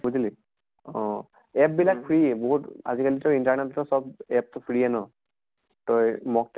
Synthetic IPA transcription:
buzili | ɔ̃ | ɛp̚bilak̚pʰɹiboɦuta̰zikalitɔjintaɹnetɔtɔsɔb̚ɛp̚tɔpʰɹiɛnɔ | tɔjmɔk̚t

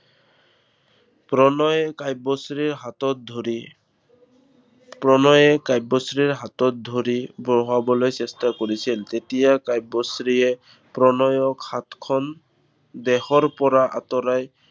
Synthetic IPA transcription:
pɔnkajbɔsɹiɹɦatɔt̚dʱ | pɹɔnɔjɛkajbːɔsɹiɹɦatɔt̪̚dʱoɹibɹɔɦabɔlojsɛstakoɹisiltetijakajbːɔsɹiɛ | pɹɔnɔjɔkhat̪kʰɔn | bɛhɔɹpɔɹaʔat̪ɔɾaj

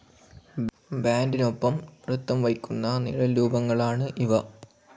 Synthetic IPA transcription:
baːndino̞pːɐmrut̪ːɐmʋɐjkʲːunːɐnḭɭɐluːbɐŋːɐɭaːɳɨʔiʋɐ

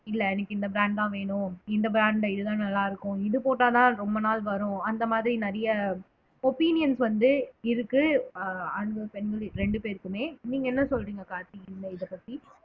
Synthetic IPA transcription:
ɪlːɐɛnɐkːɯɪnd̪ɐbɾaːɳɖãːʋeːɳʊ̃ɪnd̪ɐbɾaːɳɖɪðɯt̪ãːnɐlːaːɪɾɯkːʊ̃ɪðɯpoːʈːaːt̪ãːɾɔmbɐnaːlʋɐɾʊ̃ɐnd̪ɐmaːðɪɾinɐɾɐjɐ | ɔpiːnɪjɐnsʋɐnd̪ɯɪɾɯkːɯ | ɐnd̪ɐpɛnɡɐɭɾɛɳɖɯpeːɾkːɯmeːniːŋɡɐɛnːɐsɔlɾiːŋɡɐkaːɾt̪iɪnːɐɪðɐpːɐt̪ːi

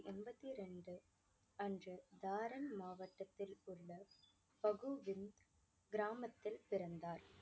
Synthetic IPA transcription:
ʔɛnbɐt̪ːiɾɛɳɖɯ | ɐndrɯd̪aːɾɐnmaːʋɐʈːɐt̪ːɪlʊɭːɐ | pɐɣɯʋɪnd̪ | ɡɪɾaːmɐt̪ːɪlpɪɾɐnd̪aːɾ

